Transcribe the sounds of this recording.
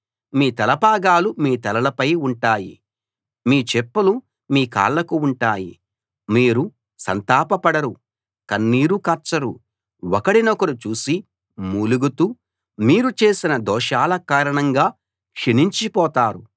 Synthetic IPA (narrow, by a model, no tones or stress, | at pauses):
miːt̪ɐlɐbʱaːɡaːlumiːt̪ɐlɐlɐpɐjuɳʈaːjḭ | miːt͡ʃepːulu | miːka̰ːɭːɐkuuɳʈaːjḭ | miːɾu | sɐ̰nt̪aːpɐpɐɽɐɾu | kɐnːiːɾukɐɾt͡ʃːɐɾṵ | ɔkɐɽinɔkɐɾut͡ʃuːsi | muːluɡut̪uː | miːɾut͡ʃe̞ːsinɐd̪ɔːʃaːlɐkaːɾɐɳɐŋɡaː | kʂeniɲt͡ʃipɔːt̪aːɾu